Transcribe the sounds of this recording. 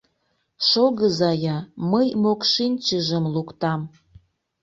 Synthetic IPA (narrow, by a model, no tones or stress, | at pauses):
ʃoɣəzɑjɑməjmokʃinʲt͡ɕəʒəmlukt̪ɑm